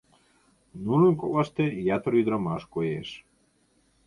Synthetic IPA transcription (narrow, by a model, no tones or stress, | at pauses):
nununʲkolˠɑʃt̪ejɑt̪ɾid̪ɾamɑʃkojḛʃ